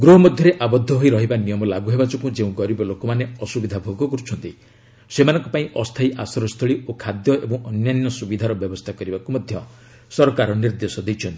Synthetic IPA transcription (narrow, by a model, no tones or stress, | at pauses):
ɡɾuɦɔmɔd̪ʱjɔɾeʔabɔd̪ʱːɔɦoiɾɔɦibanijɔmɔlaɡuɦebat͡ʃʰɔkũd͡ʒeũɡɔɾibɔlokɔmaneɔsubid̪ʱabʱoɡɔkɔɾut͡ʃʰɔnt̪i | semanɔ̃ŋkɔpaĩʔɔst̪ʰaiʔa̰sɔɾɔst̪ʰɔɭiokʰad̪jɔebɔ̃ŋ̃ʔɔnjaninɔsubid̪ʱaɾɔbjɔbɔst̪ʰakɔɾibakumɔd̪ʱjɔ | sɔɾkaɾɔniɾd̪esɔd̪ejt͡ʃʰɔnt̪ii̥